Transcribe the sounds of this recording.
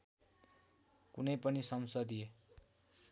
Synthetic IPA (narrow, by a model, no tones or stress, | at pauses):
kunʌjpʌnisʌmsʌd̪ie